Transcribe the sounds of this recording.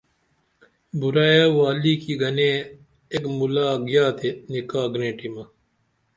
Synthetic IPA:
buɾaːjaːwaːliːkiːɡɐneː | ekmulaːɡjaːt̪enikaːɡnẽːʈimɐ

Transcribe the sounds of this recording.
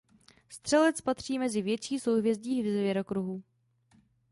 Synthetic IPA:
st̪r̝̥ɛlɛt͡spat̪r̝̥iːmɛzɪvjɛt͡ʃiːsowɦvjɛzɟiːvɛzvjɛɾokɾuɦu

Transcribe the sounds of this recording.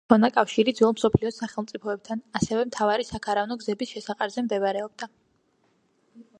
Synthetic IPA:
ɔnakʼafʃiɾid̪zɔlˠmsɔpʰliɔsaχɛlˠmt̪sʼipʰɔɛb̚t̪ʰanasɛvɛmt̪ʰavaɾisakʰaɾavnɔɡzɛbisʃɛsaqʼaɾzɛmd̪ɛvaɾɛɔb̚d̪a

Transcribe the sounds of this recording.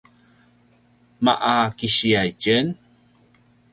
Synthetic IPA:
ma̰ʔakiɕiajcən

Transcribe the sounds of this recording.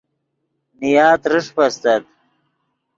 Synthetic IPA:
nijaːt̪ɾɨʂpɐst̪ɐt̪̚

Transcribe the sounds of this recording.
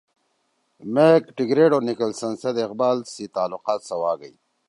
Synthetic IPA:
mekʈiɡɾeɖoːnikəlsɐnsɐd̪ɪqbaːlsit̪aːlʊqɑːt̪sɐwaːɡəj

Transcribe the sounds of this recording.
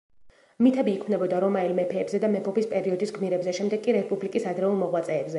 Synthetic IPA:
mit̪ʰɛbiːkʰmnɛbɔd̪aɾɔmailmɛpʰɛːbzɛd̪amɛpʰɔpispʼɛɾiɔd̪isɡmiɾɛbzɛʃɛmd̪ɛɡ̚kʼiɾɛspʼublikʼisad̪ɾɛulˠmɔʁwat̪sʼɛːbzɛ

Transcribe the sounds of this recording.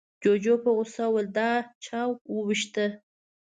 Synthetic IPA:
d͡ʒod͡ʒopəɣʊsawəld̪ɑt͡ʃʰɑwwəwiʃt̪ə

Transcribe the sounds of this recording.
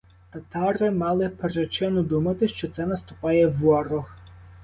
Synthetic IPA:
t̪ɐt̪ɑɾɪmɑlˠɪpeɾet͡ʃɪnɔd̪umɐt̪ɪʃt͡ʃɔt̪sɛnɐst̪ʊpɑjɛʋɔɾɔx

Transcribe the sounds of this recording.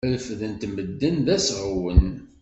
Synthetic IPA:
lfðənt̪məd̪ːənðæsʁəwən

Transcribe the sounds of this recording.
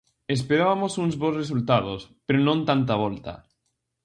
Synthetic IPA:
espeɾaβamosuŋzβosresult̪að̞ospeɾonõnt̪ant̪aβ̞ɔlt̪a̰

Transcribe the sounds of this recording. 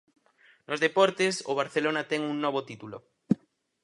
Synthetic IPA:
nʔozðepɔɾt̪eso̰β̞aɾθelonat̪ɛŋuŋnɔβ̞ot̪it̪ulo̰

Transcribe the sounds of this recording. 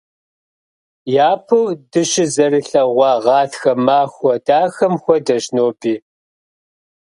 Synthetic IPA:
jaːpʰɨwdɨɕɪzɐrɨɬɐʁʷɑːʁɑːtxɐmaːxʷɔdaːxɐmxʷɔdɐʃnoːbʼiː

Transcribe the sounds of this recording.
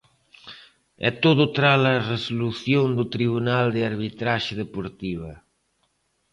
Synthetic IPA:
ɛ̰t̪oðʊt̪ɾalɐresoluθjond̪ut̪ɾiβunald̪ɪaɾβit̪ɾaʃɪðepoɾt̪iβ̞ɐ

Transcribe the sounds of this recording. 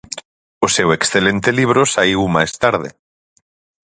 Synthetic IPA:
ʊseweksθelent̪eliβ̞ɾʊsaiwmajst̪aɾðḛ

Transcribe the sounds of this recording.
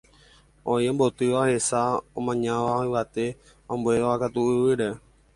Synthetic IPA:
õiõmbo̞t̪ɨʋaohe̞saõmãɲãʋaĩʋat̪e̞ | ãmbueakat̪uɨʋɨɾe

